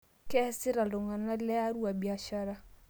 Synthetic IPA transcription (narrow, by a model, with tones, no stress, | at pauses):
kɛ˦sɪ˦ɾa˨lʊ˨ŋa˨na˦lɛ˦a˦ɾwa˨bi˨a˨ʃa˦ɾa˦